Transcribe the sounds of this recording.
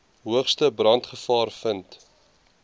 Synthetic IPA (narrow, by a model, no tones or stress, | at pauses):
ɦuəχstəbrɐntχəfɑːrfənt